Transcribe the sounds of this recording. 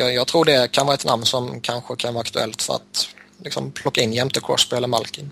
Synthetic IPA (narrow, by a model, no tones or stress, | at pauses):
jɑjɑːɡt̪ʰɾuːɖɛkʰanvɑːɾaɛt̪namnsɔmkʰanɧəkʰanvɑːɾakt̪ɵɛ̰lt̪fœ̰ɾa̰t̪lɪksɔ̰mpʰlɔkːaɪnjɛmt̪əkʰɾɔ̰sbɪɛlːəɾmalkən